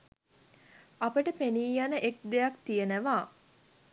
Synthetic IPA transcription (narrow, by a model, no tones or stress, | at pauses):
apəʈəpeniːjanəʔek̚d̪ejakt̪ijənəʋaː